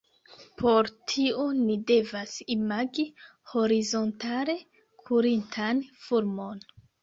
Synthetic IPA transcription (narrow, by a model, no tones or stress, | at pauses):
pʰo̞ɾtʰio̞nide̞vasimaɡi | ho̞ɾizo̞ntale̞ | kʰuɾintʰanfuɾmo̞n